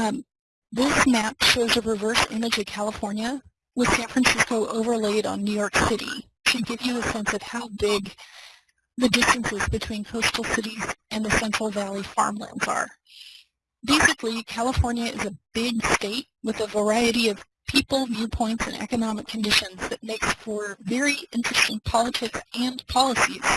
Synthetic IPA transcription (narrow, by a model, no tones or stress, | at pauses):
ðɪsmæpʃoʊzɨɹɨvɜ˞sɪ̰̃mɨd͡ʒʌv̥kʰælˠəfɔɹnjɨ | wəð̥sæ̃nfɹɨ̃nsɪskoʊʔoʊvə˞leɪɾn̩nʉjɔɹksɪɾḭ | ʃɨd̚ɡɪvjɨəsɛ̃nsʌv̥haʊbɪɡ | ðɨdɪstɨ̃nsɨzbɨtʰw̥ĩnkʰoʊstˡl̩ˠsɪɾizɨ̃nðɨsɛ̃nt͡ʃɹ̥l̩ˠvælˠifɑ̰ɹmlæ̰̃ndz̥ə̰˞ | beɪsɨklikʰælˠəfɔɹnjɨʔɪ̰zɨb̥ɪɡsteɪt̚wɨðɨvə˞aɪɨɾiʌv̥pʰipl̩ˠvjʉpʰɔ̃ɪ̃ntsɨ̰̃nɛ̰kɨnɑmɨkʰɨ̃n̩dɪʃɨ̃nzðɨt̚meɪksfə˞vɛɹiɪ̃nt͡ʃɹ̥ɨstɪ̃ŋpʰɑlˠətʰɪksɨ̃npʰɑlˠəsḭz̥